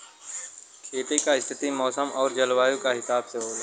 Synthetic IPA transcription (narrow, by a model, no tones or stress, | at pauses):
kʰeːʈ̪ikaɪst̪ʰɪt̪imɔːsəmɔːɾd͡ʒɐlʋaːjõkaɦɪsaːbseɦoːla